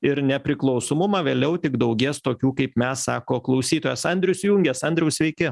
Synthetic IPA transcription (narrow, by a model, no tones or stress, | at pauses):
ɪɾnʲɛpʲɾʲɪklˠɒʊsoːmʊmɑːʋʲeːlʲɛʊt̪ʲɪɡd̪ɐʊɡʲeːst̪oːkʲuːkɐɪpmʲɛsɑːkoːklˠɒʊsʲiːt̪oːjɛsɐnʲd̪ʲɾʲʊsjʊŋʲɡʲɛsɐnʲd̪ɾʲɛʊsʲʋʲɛɪkʲɪ